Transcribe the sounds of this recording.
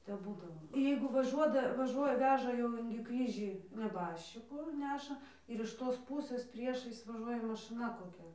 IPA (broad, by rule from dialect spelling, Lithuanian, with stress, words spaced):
tʲɛp ˈbuːdɐʋoː ˈjɛɪɡʊ ʋɐˈʒuɔdɐ ʋɐˈʒuɔjɛ ˈʋʲæːʒɐ jɛʊ ˈɪŋʲɡʲɪ ˈkrʲiːʒʲiː nʲɛˈbɑːʃʲt͡ʃʲɪkuː ˈnʲæːʃɐ ɪr ɪʃ ˈtoːs ˈpuːsɘs ˈpʲrʲiɛʃɐɪs ʋɐˈʒuɔjɛ mɐˈʃɨnɐ koːˈkʲɛ